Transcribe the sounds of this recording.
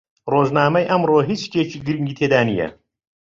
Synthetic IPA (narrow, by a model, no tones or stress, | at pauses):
roːʒnaːmɐjʔɐmɾoːɦit͡ʃt̪ʰeːt͡ʃiːɡɨɾiŋɡiːt̪ʰeːd̪aːnijɛ̰